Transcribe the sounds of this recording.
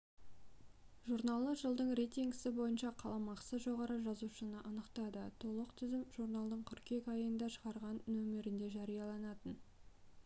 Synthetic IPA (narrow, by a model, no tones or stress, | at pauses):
ʒuɾnalˠəʒəlˠd̪əɴɾejt̪iŋɡsɪbo̞jənʃɑqʰɑlˠɑmɑqsəzʒo̞ʁɑɾəʒɑzuʃənəʔɑnəqt̪ɑd̪ət̪ʰo̞lˠəqt̪ʰʏzɪmʒuɾnɑlˠd̪əɴkʲʰʏɾkʲe̞kɑjənd̪ɑʃəʁɑɾʁɑnːɵmɪɾɪnd̪e̞ʒɑɾijɑlˠɑnɑt̪ən